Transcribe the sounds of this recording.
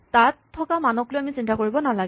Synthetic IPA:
tatʰːɔkamanɔklojamisintakoɹibɔnalaɡ

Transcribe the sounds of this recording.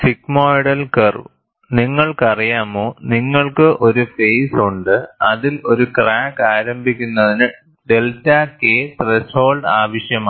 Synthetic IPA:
sikmoːjɽɐlkerṵ | niŋːɐɭkɐrijaːmoːniŋːɐɭkɨʔo̞ɾufe̞jsuɳɖɨɐðilo̞ɾukraːkaːɾɐmbʱikʲːunːɐðinɨ | ɖe̞ltaːkeːt̪resho̞ːlɖaːʋɐʂjɐmaː

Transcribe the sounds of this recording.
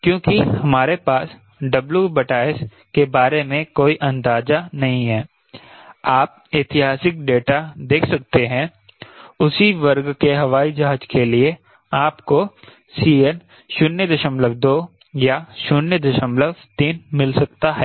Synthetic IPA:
kjõːkihɐmaːɾepaːs | ɖɐbljubɐʈaːɪs | kebaːɾemẽkoːiʔɐ̃nd̪aːd͡ʒanɐɦĩɦɛː | aːp̚ɪːt̪ɪɦaːsɪk̚ɖeːʈad̪eːkʰsɐkt̪eɦɛ̃ | ʊsiʋɐɾɡkeɦɐʋaːid͡ʒaɦad͡ʒkelie | aːpko | siːɛn | ʃʊnːəd̪ɐʃə̃mləʋd̪oː | jaʃʊnːjəd̪ɐʃə̃mləʋt̪iːnmɪlsɐkt̪aɦɛː

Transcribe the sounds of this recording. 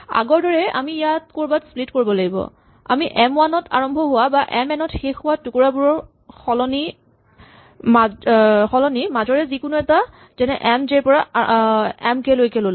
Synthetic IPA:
a̰ɡɔɹdɔɹɛa̰miːjat̚koɹbatsplitkoɹibɔlaɡibɔ̰ | a̰miʔɛmwanɔtʰa̰ɹɔmbʱɔɦʊwabaʔɛmɛnɔtxexʊwatʊkuɹabuɹɔɹ | xɔlɔni | maxɔlɔnimazɔɹɛzikʊnuɛta | zɛnɛʔɛmzɛɹpɔɹa | ɛmkɛlojkɛlol

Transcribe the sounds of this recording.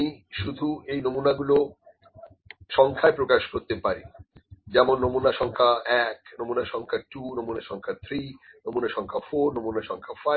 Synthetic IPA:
iʃud̪ʱuejnomunaɡulo | ʃɔŋkʰaepɾokaʃkoɾt̪epaɾid͡ʑɛmonːomunaʃɔŋkʰaɛknomunaʃɔŋkʰaʈunomunaʃɔŋkʰat̪ʰɾinomunaʃɔŋkʰafoɾnomunaʃɔŋkʰafa

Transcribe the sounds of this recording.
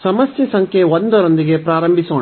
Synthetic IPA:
sɐmɐst͡ʃisɐŋkeʋɔnd̪ɔɾɐnd̪ɪɣepɾaːɾɐmbɪsõː

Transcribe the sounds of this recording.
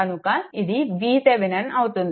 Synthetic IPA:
ɐnukaid̪iʋiːseʋinɐnɐut̪und̪

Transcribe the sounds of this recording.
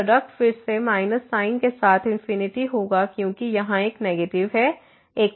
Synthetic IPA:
ɖək̚ʈfɪɾsemaːɪnəsːaːɪnkesaːt̪ʰɪ̃nfɪnɪʈiɦoːɡakjõːkijɐɦãeːknɛːɡeːʈɪʋɦɛ | eːk̚

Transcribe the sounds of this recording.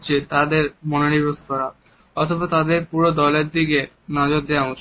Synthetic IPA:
t͡ɕʰet̪ad̪eɾmɔnoɽibosk̪ɔɾa | ɔt̪ʰobat̪ad̪eɾpuɾod̪ɔleɾd̪ike | nɔd͡ʑot̪d̪eaɦut͡ɕʰ

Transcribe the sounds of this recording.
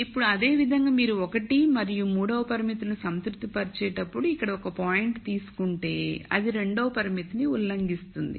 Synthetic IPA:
ipːuɽuɐd̪e̞ːʋid̪ʱɐŋɡaːmiːɾuɔkɐʈimɐɾijumuːɽɐʋɐpɐɾimit̪inusɐnt̪kɾut̪ipɐɾit͡ʃɛːʈɐpːuɽuikːɐɽɐɔkɐpaːjiɳʈt̪iːsu̥kuɳʈe̞ːɐ̰d̪iɾe̞ɳɖɐʋɐpɐɾimit̪iniulːɐŋɡist̪und̪ḭ

